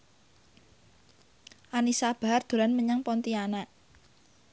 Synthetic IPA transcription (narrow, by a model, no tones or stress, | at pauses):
ʔanisab̥a̤rd̪̥o̤lanməɲaŋpɔnt̪ianaʔ